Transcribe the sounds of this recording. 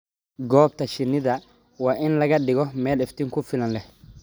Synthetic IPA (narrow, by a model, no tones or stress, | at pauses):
ɡɔːb̚t̪ʰɐʃɪnːɪðɐ | wɑːʔɪnlɐɣɐɖɪɣɔmɛːlɪft̪ʰɪŋkʰʊfɪlɐnlɛh